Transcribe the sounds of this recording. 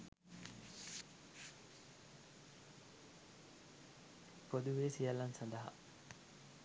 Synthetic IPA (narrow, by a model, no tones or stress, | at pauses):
pod̪uʋeːsijɐlːɐnsɐnd̪ɐɦɐ̰